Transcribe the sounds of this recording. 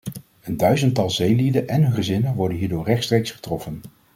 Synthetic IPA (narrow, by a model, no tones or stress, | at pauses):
əndœɥzəntɑlˠzejlidənʔɛnχəzɪnənʋɔɹdənɦiːɹdʊːɹrɛχtstrejksχə̥trɔfən